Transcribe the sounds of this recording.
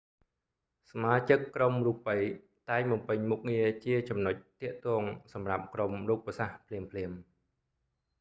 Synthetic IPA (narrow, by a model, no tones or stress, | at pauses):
samaːt͡ɕɨkːromruːpːəj | t̪aɛŋmɑmpɨɲmuk̚ŋiət͡ɕiət͡ɕɑmnoc̚t̪ĭəʔt̪ɔəŋsɑmrap̚kromruːk̚pəsahpʰliəmpʰliəm